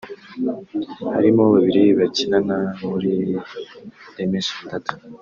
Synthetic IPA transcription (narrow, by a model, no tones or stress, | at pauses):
ha̰ɾimoβaβiɾiβacinanamuɾi | demesitatu̥